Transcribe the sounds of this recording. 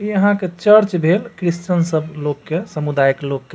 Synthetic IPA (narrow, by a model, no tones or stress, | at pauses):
iəɦãket͡ʃəɾt͡ʃbʱelkɾist͡ʃənsəblokːesəmud̪ajəklokːe